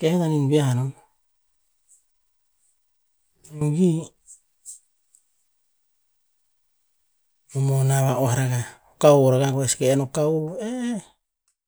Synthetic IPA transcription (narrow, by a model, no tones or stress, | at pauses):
kehetaninbiaano | uɡi | omonaβaohaɾaɡaokawoɾaɡaɡoeskeːnokaoee